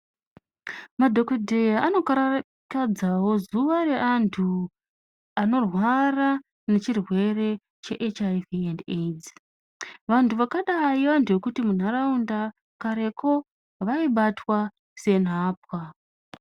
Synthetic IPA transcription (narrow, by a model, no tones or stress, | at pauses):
madʱo̞kodʱe̞jaano̞kaɾa | kad͡zawo̞zuʋaɾe̞ʔantʰu | ano̞rwara | ne̞t͡ʃirwe̞re̞ | t͡ʃe̞ʔet͡ʃajvianded͡z | ʋantʰuʋakaɗaiʋantʰuʋe̞kutimun̤aɾaunda | kaɾe̞kʰo̞ | ʋaiɓatwa | se̞nɦaːp̚wa